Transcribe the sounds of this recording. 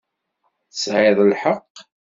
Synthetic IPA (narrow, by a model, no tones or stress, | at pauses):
θəsʕɪðˤlħəqː